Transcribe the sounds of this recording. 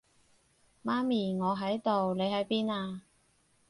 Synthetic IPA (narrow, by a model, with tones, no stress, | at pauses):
maː˥miː˨˩ŋɔː˨˧ɦɐ˨˥jt̪o˨wle˨˧jɦɐ˨˥jpiː˥naː˧